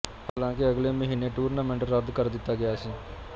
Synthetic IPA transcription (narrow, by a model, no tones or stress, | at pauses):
haːlãːkɪəɡleːməɦiːneːʈuːɾnãːmɛ̃ɳʈəɾːəd̪kəɾd̪ɪt̪ːaːɡɪjaːsĩː